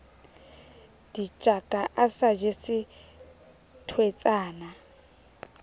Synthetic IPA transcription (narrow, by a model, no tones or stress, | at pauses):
d̥it͡ʃʼakʼaʔasad͡ʒesɪ | tʰwet͡sʼaːna